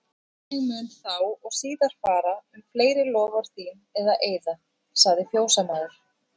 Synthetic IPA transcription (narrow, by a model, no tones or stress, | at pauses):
emɛʏnθawɔɣsiːðaɾ̥faːɾaʏmfleːjɾɪlɔːvaɾ̥θiːnɛðaʔeːjða | saɣðɪfjoːwsamaðʏɾ̥